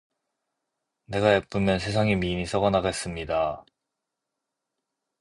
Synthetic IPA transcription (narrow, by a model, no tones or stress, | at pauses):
ne̞ɡaep͈ɯmjʌns̬ʰe̞s̬ʰaŋimiɲisʰʌɡʌnaɡes͈ɯmɲida